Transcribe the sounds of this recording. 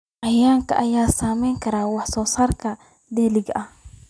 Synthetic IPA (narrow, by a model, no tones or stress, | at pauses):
ʔɑjaːŋkʰɐ̰ʔɐjaːsaːmɛjŋkʰɐɾaːwɑħsɔːsaːrkʰɐ | d̪ɛːlɪɡɐh